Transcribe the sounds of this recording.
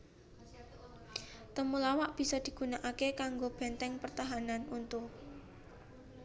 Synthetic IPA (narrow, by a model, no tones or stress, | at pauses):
t̪əmulawaʔb̥i̤sɔd̪̥i̤ɡ̥ṳnaʔakekaŋɡob̥ɛ̤nt̪ɛŋpərt̪aɦananunt̪ʊ